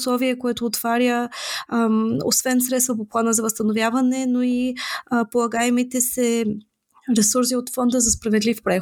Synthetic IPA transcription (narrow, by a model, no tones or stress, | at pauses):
slˠɔviɛkoɛt̪oːt̪v̥aɾjə | o̰svɛnsɾɛt̪st̪vəpoplˠanəzɐvəst̪ənovjavɐnɛnoipolˠɐɡaɛmit̪ɛsɛ | ɾɛsuɾs̬iot̪fɔnd̪əzɐspɾɐvɛd̪lifpɾɛ